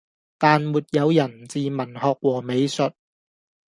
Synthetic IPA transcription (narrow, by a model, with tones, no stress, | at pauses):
t̪aː˨nmuː˨t̚jɐ˨˧wjɐ˨˩nt͡siː˨mɐ˨˩nhɔː˨k̚wɔː˨˩me˨˧jsɵ˨t̚